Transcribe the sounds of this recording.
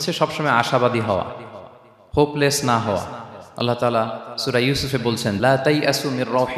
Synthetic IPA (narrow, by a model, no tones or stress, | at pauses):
t͡ɕʰeʃɔbʃɔmɔeaʃabad̪iɦɔoa̰ | pʰoplesnaɦɔwa̰ɐ̰lːat̪aːlasuɾajusufebolt͡ɕʰenlaːt̪ajʔasuminɾɑwħ